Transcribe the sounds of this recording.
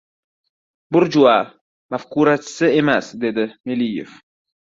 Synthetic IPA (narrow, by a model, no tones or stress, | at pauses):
bʊɾd͡ʒuwa | mafquɾat͡ʃʰɪ̥sɪemasd̪e̞d̪ɪmelijḛf